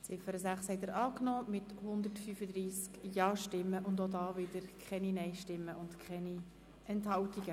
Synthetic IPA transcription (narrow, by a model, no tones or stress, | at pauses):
t͡sɪfəɾəsæχshɛɪt̪əɾʔɑːknoːmɪt̪hʊnd̪əɾtfyːfəd̪ɾiːskjɑːʃtɪmːəʔʊndodɑːvɪdəɾkʰχɛninɛɪʃtɪmːəʊntkʰχɛni | ɛnthɑwtiɡə